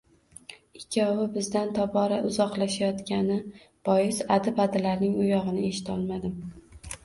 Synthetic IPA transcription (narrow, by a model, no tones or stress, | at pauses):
ɪkʲʰːɒwɪbɪzd̪ant̪ʰɒbɒɾaʔʊzɒqlˠaʃajɒt̪kʲanɪ | b̥ɒjɪsad̪ɪbad̪alaɾnɪŋʊjɒʁɨnɪeʃɪ̥t̪ʰɒlˠmad̪ɪm